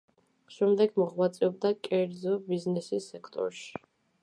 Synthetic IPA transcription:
ʃɛmd̪ɛɡmɔʁwat̪sʼɛɔb̚d̪akʼɛɾd̪zɔbiznɛsisːɛkʰt̪ʼɔ̰ɾʃi̥

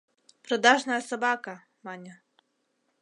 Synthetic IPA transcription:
pɾɔd̪ɑʒnɐjɐsɐbɑkɐ | mɑnʲɐ

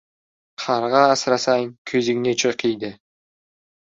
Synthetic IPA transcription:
qʰɑɾʁɑːsɾɑsɑjnkʰɵziŋnet͡ʃʰəqijd̪ɪ

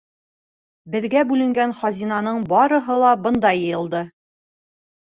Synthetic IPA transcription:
bɘ̆ðɡæbʉlɘ̆ŋɡænχɑzʲinɑnɤɴbɑɾɤ̆ɦɤlˠɑbɤ̆nd̪ɑjɤ̆jɤ̆lˠd̪ɤ

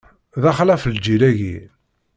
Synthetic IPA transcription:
ðæχlæfəld͡ʒilæʝḭ

